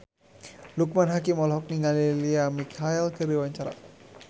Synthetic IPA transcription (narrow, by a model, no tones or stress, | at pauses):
luk̚manɦakimɔlɦɔk̚niŋɡaliliamikʰailkɨɾiwaɲt͡ʃaɾa̰